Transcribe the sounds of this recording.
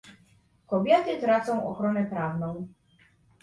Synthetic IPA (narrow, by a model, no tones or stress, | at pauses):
kɔbʲjɛt̪ɘt̪ɾat̪sɔ̃w̃ʔɔ̰xɾɔnɛpɾavnɔ̃w̃